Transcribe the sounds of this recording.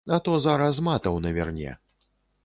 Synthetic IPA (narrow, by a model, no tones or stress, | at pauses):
ɐt̪ɔzaɾɐs̬mat̪ɐwnɐvʲɛrnʲɛ̰